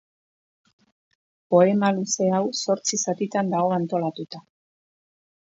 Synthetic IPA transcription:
po̞e̞maluse̞awso̞ɾt͡sisat̪it̪and̪aɣo̞ant̪o̞lat̪ut̪a

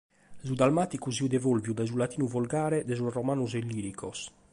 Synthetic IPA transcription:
zud̪almaːt̪ikusiud̪ɛvolvjud̪ajzulat̪iːnuvɔlɡaːɾɛd̪ɛzusrɔmaːnuzelːiːɾikʰɔs

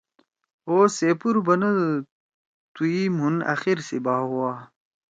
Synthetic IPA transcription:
oːseːpuɾbɐnɐ | t̪uimɦunɐ̰xiɾsibaːɦuwaː

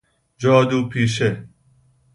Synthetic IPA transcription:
d͡ʒɔːd̪uːpʰiːʃe

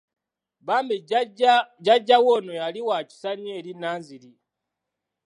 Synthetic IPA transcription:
βaːmbi | ɟaɟːawonojaliwaci̥saɲeːɾinaːnziɾi

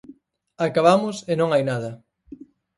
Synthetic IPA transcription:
akaβamʊsenõŋajnaðɐ

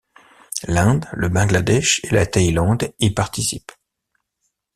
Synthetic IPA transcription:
lɛ̃d̪ləbɑ̃ɡlad̪ɛʃelat̪ajlɑ̃d̪ipaʁt̪isip

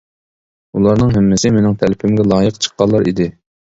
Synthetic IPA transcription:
ulˠɑɾnɨŋɦɛmːɪsɪmɪnɪŋt̪ʰælɪpʰɪmɡʲɛlˠɑːjəqt͡ʃʰə̥qːɑlˠːɑɾḭd̪ɪ

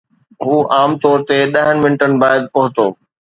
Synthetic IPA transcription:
ɦuːʔaːmt̪ɔːɾt̪eɗɐɦənɪmɪnʈənɪ̆baːɪd̪̚pɐɦʊt̪oː

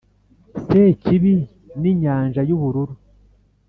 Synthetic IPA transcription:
seciβi | niɲaːnʒajuβuɾuɾu

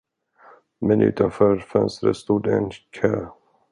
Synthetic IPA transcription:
mɛnʔʉ̟ːt̪ʰanfœːɾfœ̰nst̪ɾə̰st̪uːd̪ɛnkʰœː

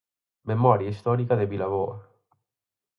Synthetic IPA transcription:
memɔɾjaist̪ɔɾikad̪ebilavoɾ

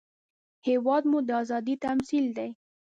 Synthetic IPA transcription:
hewɑd̪mud̪əɑzɑd̪it̪amsild̪aj

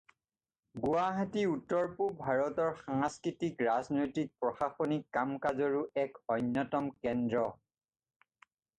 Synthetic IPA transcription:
ɡuwaɦatiutːɔɹpubʱaɹɔtɔɹxãŋskɹitikɹaznɔjtik̚pɹɔxaxonikːamkazɔɹuɛkɔjnːjɔtɔmkɛndɹɔ

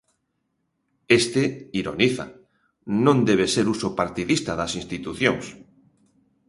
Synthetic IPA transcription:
est̪eiɾo̰niθa̰ | nõnd̪eβ̞eseɾusopaɾt̪iðist̪aðasĩnst̪it̪uθjõŋs

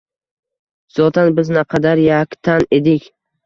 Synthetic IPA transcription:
z̥ɒt̪ʰanbɪznaqʰɑd̪aɾjakʲt̪ʰaned̪ɪkʲ

